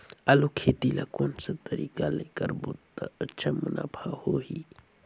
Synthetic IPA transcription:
alokʰeːt̪ilakonsɐt̪ɐɾiːkaleːkəɾbut̪ːat͡ʃəməna̰pʰahoɦi

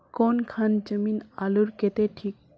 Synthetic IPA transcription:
koːnkʰand͡ʒəminaluɾket̪eʈʰiːk̚

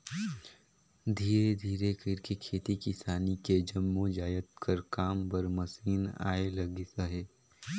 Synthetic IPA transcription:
d̪ʱiːɾed̪ʱiːɾekiɾkekʰeːt̪ikɪsaːniked͡ʒɐmːud͡ʒaːjət̪̚kɐɾkaːmpɐɾmɐsiːna̰ːelɐɡɪsaɦeː

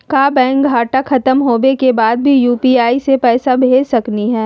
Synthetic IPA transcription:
kaːbɛ̃ːŋk̚ɡʱaːʈaxʰɐt̪əmɦoːʋekebaːd̪̚bʱijuːpiaːisepɛːsabʱeːsɐkniɦɛː

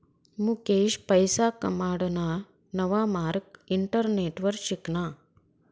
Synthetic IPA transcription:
mukeːʃpɐjsaːkɐmaːɽɐna | nɐʋaːmaːɾkiɳʈɐɾneːʈʋɐɾʃiknaː

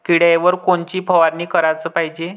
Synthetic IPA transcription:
kiɽajʋəɾkoɳt͡ɕiːpʰəʋaɾniːkəɾat͡səːpaɦid͡ʑe

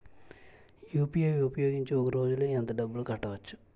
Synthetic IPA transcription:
juːpijeʋiupɐjo̞ːɡiɲt͡ʃiɔkɐɾo̞ːd͡ʒuluɛnt̪ɐɖɐbːulukɐʈːɐʋɐt͡ʃːu̥

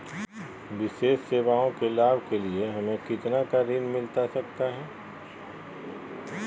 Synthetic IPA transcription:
ʋɪʃeːsːeːʋaːõkelaːbkelieɦɐmẽkɪt̪nakaɾɪnmɪlt̪asɐkt̪aɦɛː

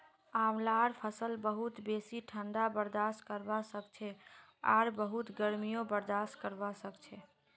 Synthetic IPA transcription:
amlaɾpʰəsəlbəɦut̪besiʈʰəɳɖabəɾd̪askəɾbasəkt͡ʃʰɛa̰ɾbəɦut̪ɡəɾmijobəɾd̪askəɾbasəkt͡ʃʰɛ

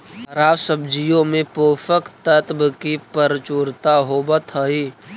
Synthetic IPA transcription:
ɐɾaːwsəbd͡ʒijõmẽpoːfəkt̪ət̪bkipəɾt͡ʃuːɾt̪aɦobət̪ʰəi

